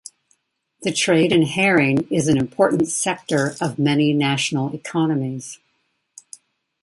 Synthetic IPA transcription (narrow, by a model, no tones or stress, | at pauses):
ðɨtʰɹ̥eɪɾɨ̃nhɛɹɪ̃nɪzɨ̃n̩ɨ̃mpʰɔɹʔn̩tsɛk̚tə˞ʌvmɛninæʃn̩l̩ˠɨkʰɑnɨmiz̥